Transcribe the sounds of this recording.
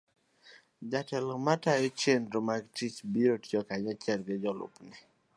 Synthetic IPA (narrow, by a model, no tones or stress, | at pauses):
d͡ʒatɛlɔmatajet͡ʃendɾomaɡtit͡ʃbiɾotjɔkaɲat͡ʃɛlɡɪd͡ʒɔlʊ̰pnɪ